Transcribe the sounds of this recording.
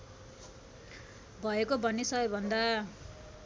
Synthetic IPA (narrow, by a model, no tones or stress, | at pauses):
bʱʌekobʌnesʌbʌbʱʌnd̪a